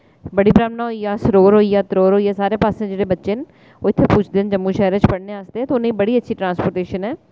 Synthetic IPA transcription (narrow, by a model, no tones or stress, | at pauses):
bəɽiːbɾaːmnaːɦoijaːsɾoːɾɦoːiaːt̪ɾoːɾɦoːiːɛːsaːɾeːpaːsẽd͡ʒeːɽebətːʃeːn | oːɪt̪ʰːepuːt͡ʃʰd̪ɪnd͡ʒəmːuːʃɛːɾə̃t͡ʃpəɽneaːst̪eɛ̃ːt̪oʊnẽĩbəɽiːətːʃʰiːʈɾãːnspoːɾʈeːʃənɦɛː